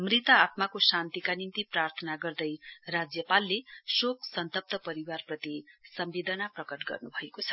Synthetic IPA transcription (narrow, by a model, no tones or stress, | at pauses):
mrit̪ʌat̪makosant̪ikanint̪iprart̪ʰʌnaɡʌrd̪ʌjrad͡zjʌpalːesoksʌnt̪ʌp̚t̪ʌpʌɾiwarprʌt̪isʌmbed̪ʌnaprʌkʌʈɡʌ̰rnubʱʌekot͡sʰʌ̥